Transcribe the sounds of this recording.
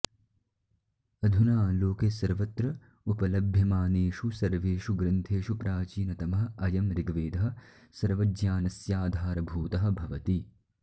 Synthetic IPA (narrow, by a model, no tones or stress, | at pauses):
ɐd̪ʱunaːloːkeːsɐɾʋɐt̪ɾɐ | upɐlɐbʱjɐmaːneːʃusɐɾʋeːʃuɡɾɐnt̪ʰeːʃupɾaːt͡ʃiːnɐt̪ɐmɐɦɐ̆ɐjɐmɾɪɡʋeːd̪ɐɦɐ̆ | sɐɾʋɐd͡ʒjaːnɐsjaːd̪ʱaːɾɐbʱuːt̪ɐɦɐ̆bʱɐʋɐt̪i